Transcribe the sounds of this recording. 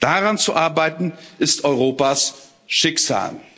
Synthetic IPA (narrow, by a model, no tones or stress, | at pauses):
d̥aʁant͡suʔaɐbaɪtn̩ʔɪstʔɔʏʁoːpas | ʃɪksa̰ːl